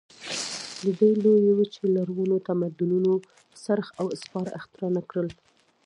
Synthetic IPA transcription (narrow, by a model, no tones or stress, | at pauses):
ləd̪əjlojewit͡ʃelaɾɣunot̪amad̪ʊnuno | saɾxawɪspɑɾa̰xt̪ɪɾɑnakɽəl